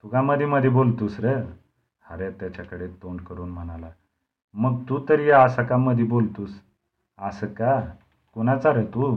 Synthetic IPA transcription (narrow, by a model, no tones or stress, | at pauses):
t̪ukaməd̪ʱeməd̪ʱjibolt̪uːsɾe | haɾet̪jat͡ɕakəɽet̪oɳɖkəɾuːnm̤əɽ̃ala | məɡ̚t̪ut̪əɾijaəsakaməd̪ʱjibolt̪uːs | asəka | kuñat͡saɾət̪u